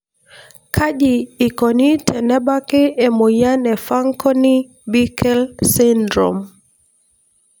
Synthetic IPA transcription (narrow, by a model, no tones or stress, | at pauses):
kʰaʄiːkɔnitʰɛnɛbakɪɛmojanɛfaŋkɔni | bikɛlsindɾɔ̰m